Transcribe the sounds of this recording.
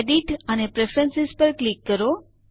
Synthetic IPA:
eɖiʈənepɾefɾənsispəɾklikːəɾo

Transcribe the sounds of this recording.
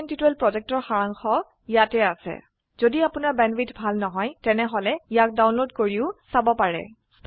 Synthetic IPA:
ntitɛlpɹɔzɛk̚tɔɹxaɹaŋxɔ | ijatɛasɛ̰ | z̥odiapʊnaɹbɛnbitbʱalnɔɦɔjtɛnɛɦɔlɛijak̚dawnlodkoɹiʊsabɔpaɹɛ̰

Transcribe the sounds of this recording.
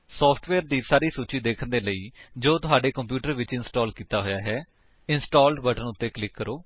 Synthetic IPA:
sɔːpʰʈʰʋɛːɾd̪iːsaːɾiːsuːt͡ʃiːd̪eːkʰənd̪eːləiːd͡ʒoːt̪ʊɦaːɖeːkəmpjuːʈəɾʋɪt͡ʃɪnsʈɔːlkiːt̪aːɦoːjaːɦɛː | ɪnsʈoːlɖbəʈənʊt̪ːeːklɪkːəɾoː

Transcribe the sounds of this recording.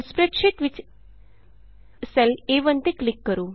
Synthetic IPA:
spɾekʃiʈʋit͡ʃ | sɛleʋənt̪iklikːəɾuː

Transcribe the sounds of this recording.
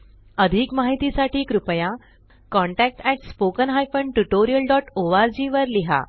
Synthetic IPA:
əd̪ʱiːkmaɦit̪isaʈʰiːkɾupəja | kɔ̃ɳʈæk̚ʈɛʈspokənɦajfəɳʈuʈoɾijəlɖɔʈoʋaɾd͡ʑiʋəɾliɦa̰

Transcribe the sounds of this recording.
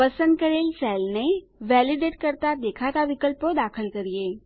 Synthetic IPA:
pəsənd̪̚kəɾeːlsɛlne | ʋæliɖeʈ̚kəɾt̪ad̪ekʰat̪aʋikəlpod̪akʰəlkəɾije

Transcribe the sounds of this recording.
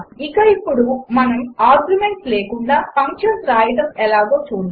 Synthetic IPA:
ikɐipːuɽumɐnɐmaːɾɡjumeɳʈsleːkuɳɖaːpʰɐŋkʂɐnsɾaːjʈɐmɛlaːɡoːt͡ʃuːɽ

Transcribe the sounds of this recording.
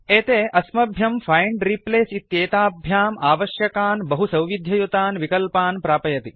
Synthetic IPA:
eːt̪eːʔɐsmɐbʱjɐmfʰɐjɳɖɾipleːsit̪jeːt̪aːbʱjaːmaːʋɐʃjɐkaːnbɐɦusɐwʋid̪ʱjɐjut̪aːnʋikɐlpaːnpɾaːpɐjɐt̪i

